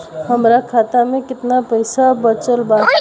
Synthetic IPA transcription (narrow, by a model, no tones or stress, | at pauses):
ɦəmɾakʰaːt̪amẽkɪt̪napəɪsabət͡ʃəlba